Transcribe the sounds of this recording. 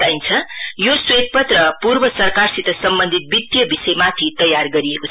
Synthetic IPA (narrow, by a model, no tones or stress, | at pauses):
aint͡sʰʌjoswet̪̚pʌt̪rʌpurbʌsʌrkarsit̪ʌsʌmbʌnd̪ʱit̪̚bid̪jʌbisʌjmat̪ʰit̪ʌjarɡʌɾieko